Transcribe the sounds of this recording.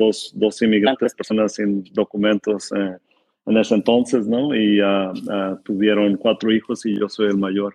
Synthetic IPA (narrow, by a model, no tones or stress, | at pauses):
dosd̪o̞simiɣɾant̪espeɾso̞nasind̪o̞kumẽ̞nt̪ose | ene̞seent̪o̞nse̞snoiaat̪uβje̞ɾo̞ŋkwat̪ɾoixosiʝo̞so̞jelmaʝo̞ɾ